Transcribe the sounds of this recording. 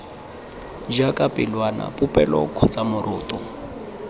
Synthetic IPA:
d͡ʒakʼapʼɪlwana̰pʼʊpʼɛlɔ̰kʰɔt͡sʼamʊɾʊːt̪ʼɔ

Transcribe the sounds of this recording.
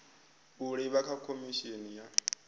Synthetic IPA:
uɺɛβakʰakʰomiʃenija

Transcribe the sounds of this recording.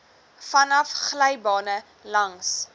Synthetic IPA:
fɐnɐfχlɛjbɑːnə | lɐŋs

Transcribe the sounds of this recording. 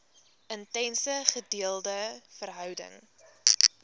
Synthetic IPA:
əntɛnsəχədiəlˠdəfərɦœwdə̰ŋ

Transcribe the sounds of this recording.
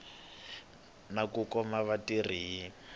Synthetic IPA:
nakukɔmaβatiriɦji

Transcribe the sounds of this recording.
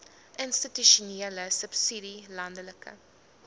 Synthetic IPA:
ʔənstityʃuniːləsəpsidilɐndələkə̰

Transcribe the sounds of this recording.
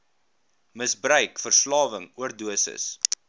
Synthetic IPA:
məsbrœɥkfərslɑːvəŋuərduəsə̰s

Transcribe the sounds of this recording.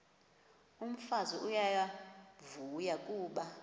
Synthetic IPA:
um̩faziʔujajavujakʼuːɓa

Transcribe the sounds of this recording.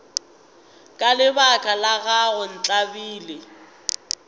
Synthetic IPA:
kʼalɪbakʼalaɣaɣʊn̩t͡ɬʼabiːlɪ

